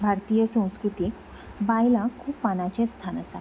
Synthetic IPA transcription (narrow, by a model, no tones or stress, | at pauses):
bʱaɾt̪ijəsə̃w̃skɾut̪ik | bajlãkʰuːpmanat͡ɕẽst̪ʰanəsa̰